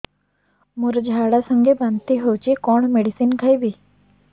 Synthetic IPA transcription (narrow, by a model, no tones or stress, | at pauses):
muɾd͡ʑʱaɽasəŋɡʱebant̪iːɦowt͡ɕikoɳmeɽisiːnkʰajbiː